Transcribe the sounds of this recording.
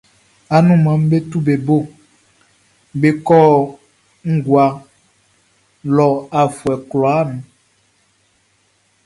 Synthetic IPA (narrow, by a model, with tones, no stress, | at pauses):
a˨nũ˦mã˨m˦be˦t̪u˦be˨bo˦˨ | be˨kɔ˦ | ŋ̩˦ɡwa˨ | lɔ˨a˨fu˨ɛ˨klɔ˨a˦nũ˨